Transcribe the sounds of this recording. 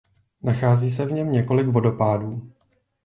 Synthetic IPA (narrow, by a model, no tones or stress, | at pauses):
naxaːziːs̬ɛvɲɛmɲɛko̞lɪkvo̞do̞paːduː